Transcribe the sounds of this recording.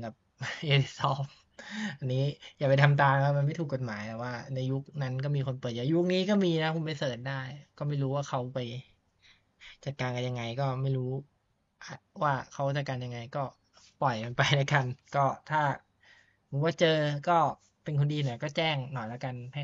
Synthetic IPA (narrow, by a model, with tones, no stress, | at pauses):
kɛ˨˩p̚ʔe˧˩˥sɔː˦˥p̚ | ʔa˧nːiː˦˥jaː˨˩pa˧jt̪ʰa˧mt̪aː˧n˧waː˥˩ma˧nma˥˩jt̪ʰu˨˩kːo˨˩t̪̚maː˩˦jt̪ɛ˨˩waː˥˩na˧jju˦˥k̚na˦˥nkɔː˥˩miː˧kʰo˧npɤː˨˩t̪̚jaː˨˩˦ju˦˥k̚niː˦˥kɔː˥˩miː˧na˦˥kʰu˧˩˦ma˥˩jsɤː˨˩t̪̚daː˥˩jkɔː˥˩ma˥˩jɾuː˦waː˥˩kʰa˦˥wpa˧j | t͡ɕa˨˩t̪̚kaː˧nka˧nja˧ŋːa˧jkɔː˥˩ma˥˩jɾuː˦˥ | ʔa˨˩waː˥˩kʰa˦˥wt͡ɕa˨˩t̪̚kaː˧nja˧ŋa˧jkɔː˥˩ | pɔ˨˩jka˧npa˧jna˦˥ka˧nkɔː˥˩t̪ʰaː˥˩ | mu˨˩˦waː˥˩t͡ɕɤː˧kɔː˥˩ | pe˧nkʰo˧ndiː˧nɔ˨˩˦kɔː˥˩t͡ɕɛː˥˩ŋnɔ˨˩jla˦˥ka˧npʰa˥˩